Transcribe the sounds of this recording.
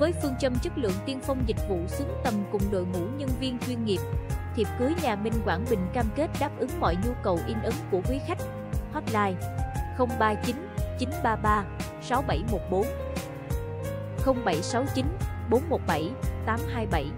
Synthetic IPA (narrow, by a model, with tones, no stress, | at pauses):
vəː˨˦jfɨ˧əŋt͡ɕə˧mt͡ɕɨ˦˥t̚lɨ̰˧˨əŋt̪i˧ənfə˧wŋ͡mzï˨˩k̚vṵ˧˨sɨ˨˦əŋt̪ə˨˩mkʊ˨˩ŋ͡mɗo̰˧˨jmṵ˧˩ɲə˧nvi˧ənt͡ɕwi˧nŋi˨˩əp̚t̪ʰi˨˩əp̚ku˨˦əjɲaː˨˩mï˨˩ŋ̟kwaː˧˩nɓï˨˩ŋ̟kaː˧mke˦˥t̚ɗaː˦˥p̚ʔɨ˨˦ŋmɔ̰˧˨jɲu˧kə˨˩wʔi˧nʔɨ˨˦ŋku˧˩əkwi˨˦xa˦˥jk̟̚ | hɔ˦˥t̚laː˧jxə˧wŋ͡mɓaː˧t͡ɕi˨˦nt͡ɕi˨˦nɓaː˧ɓaː˧ | sa˨˦wɓa˧˩jmo˨˩t̚ɓo˨˦n | xə˧wŋ͡mɓa˧˩jsa˨˦wt͡ɕi˨˦nɓo˨˦nmo˨˩t̚ɓa˧˩jt̪aː˨˦mhaː˧jɓa˧˩j